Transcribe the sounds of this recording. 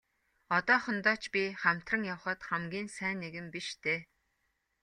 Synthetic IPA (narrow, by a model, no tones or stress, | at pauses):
ɔt̪ɔːχə̆nt̪ɔːt͡ɕpʲiχæm̥t̪rə̆ŋjawχə̆t̪χæmɡʲiːnsæːnːeɣɘ̆mpiʃt̪ʰeː